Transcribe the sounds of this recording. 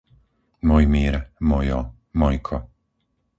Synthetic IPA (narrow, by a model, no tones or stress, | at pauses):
mɔjmiːɾmɔjɔ | mɔjkʰɔ